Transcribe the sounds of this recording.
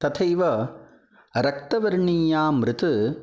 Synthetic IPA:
t̪ɐt̪ʰɐjʋɐ | ɾɐk̚t̪ɐʋɐɾɳijaːmɾɪt̪ɯ

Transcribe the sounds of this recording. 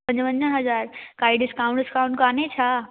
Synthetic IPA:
pə̃ɲd͡ʑʋə̃ɲd͡ʑəɦɐzaːɾkaːiɖɪskaũɳɖɪskaũɳʈkaːnet͡ɕʰa

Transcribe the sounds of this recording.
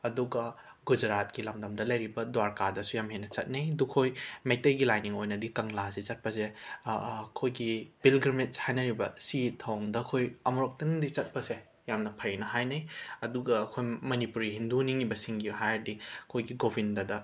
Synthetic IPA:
ɐduɡɐ | ɡud͡ʒɾat̚kilɐmdɐmdɐlɐjɾibɐdwaɾkadɐsujamɦenːɐt͡ʃɐt̚nɐjdukʰojmek̚tɐjɡilajniŋojnɐdikɐŋlaset͡ʃɐt̚pɐs̬e | kʰojɡib̥ilɡɾimit̚shajnɐɾibɐsitʰawŋdɐːkʰojɐmuɾok̚tɐndit͡ʃɐt̚pɐse | jamnɐpʰɐjnɐɦajnɐjɐduɡɐːkʰojmɐnipuɾiɦinduniŋibɐsiŋɡiɦajɾdiɐkʰojɡiɡobʱindɐdɐ

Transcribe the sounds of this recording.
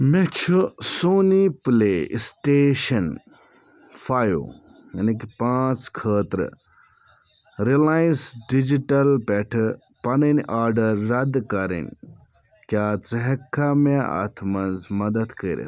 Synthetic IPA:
met͡ʃʰusoːnipleːsʈeːʃɐn | fʰaːjo̰ | ɐnikipãːt͡skʰəːt̪ɾ̰ | ɾilaːĩnsɖid͡ʒiʈɐlpɛʈʰ | pɐnənʔaːɾɖɐɾːɐd̪kɐɾḭnʲ | kʲjaːt͡sɐɦɐkʰːamea̰t̪ʰmɐnzmɐd̪ɐd̪kəːɾḛ

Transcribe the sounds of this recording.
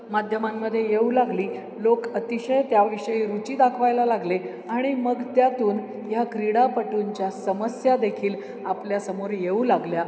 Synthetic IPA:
mad̪ʱjəmamːəd̪ʱːjejeulaɡliː | lokət̪iɕəjt̪jaʋiʂəiːɾut͡ɕiːd̪akʰʋajlalaɡle | aɽ̃iməɡt̪jat̪uːn | jaɡɾiɽapəʈuɲt͡ɕjasəməsjad̪ekʰiːl | apljasəmoɾjeulaɡlja

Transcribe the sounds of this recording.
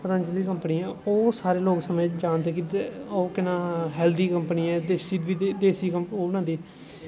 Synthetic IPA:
pəɾə̃nt͡ʃəliːkəmpniːɛ̃ːoːsaːɾeːloːksəmẽːd͡ʒãːnd̪eːkioːkɪnãːɦɛːld̪iːkəmpniːɛ̃ːd̪eːsiːʋiːd̪eːsiːkəmoːʊnãːd̪iː

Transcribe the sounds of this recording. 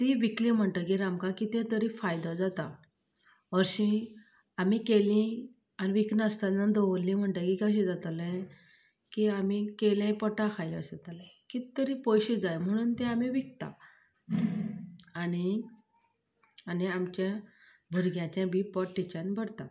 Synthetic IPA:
t̪iʋiklĩm̤əɳt̪əkiɾamkãkit̪ɛ̃t̪əɾĩfajd̪ad͡zat̪a | ɔɾɕĩ | amikelĩ | aniʋiknəst̪anad̪oʋəlːĩm̤əɳʈ̪əkikəɕ̬ĩd͡zat̪əlɛ̃ | kiamikelãpəʈakʰajə̰sat̪aləkit̪əɾipojɕid͡zajm̤əɽ̃uːnt̪ɛ̃amiʋik̚t̪a̰ | ani | aniamt͡ɕja | bʱəɾɡjãt͡ɕãbipɔʈːit͡ɕanbəɽt̪a

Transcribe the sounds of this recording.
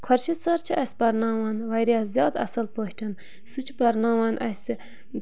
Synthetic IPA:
kʰɐɾʃʰisɐɾt͡ʃʰiɐsʲbɐɾnɑːwaːnʋɐjɾijaːzʲjɑːd̪ɐ̰sɐlpohʈʰɐn | sɨt͡ʃʰi̥bɐɾnɑːwaːnʔɐs

